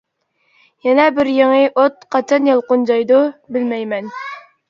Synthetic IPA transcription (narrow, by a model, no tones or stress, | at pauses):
jɛnɛbɪɾjeŋɨʔot̪̚qʰɑt͡ʃʰɑnjɑlˠqʊnd͡ʒɑjd̪ubɪlmɛjmɛn